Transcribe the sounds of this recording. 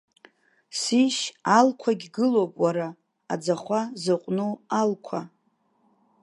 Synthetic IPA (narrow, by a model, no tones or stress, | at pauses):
siʃalkʷʰaɡʲɡɨlowpʼwaɾa | ad͡zaχʷazɨqʷʼnoalkʷʰa